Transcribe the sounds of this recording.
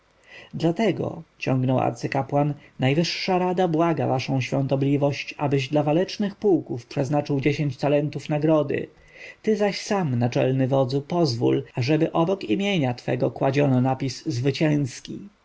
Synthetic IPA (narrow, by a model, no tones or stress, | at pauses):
d̪lat̪ɛɡɔ̰t͡ɕɔŋɡnɔwa̰ɾt̪sɘkapwanːajvɘʂːaɾad̪abwaɡa̰vaʂɔ̃w̃ɕfʲjɔ̃nt̪ɔblʲivɔɕt͡ɕa̰bɘʑd̪lavalɛt͡ʂnɘxpuwkufpʂɛznat͡ʂɘwd͡ʑeɕẽɲt͡ɕt̪alɛnt̪ufnaɡɾɔd̪ɘ̰ | t̪ɘzaɕsamnat͡ʂɛ̰lnɘvɔd̪zupɔzvṵlaʐɛbɘʔɔbɔkimʲjeɲat̪fɛ̰ɡɔkwad͡ʑɔnɔnapʲisːvɘt͡ɕɛ̃ñskʲi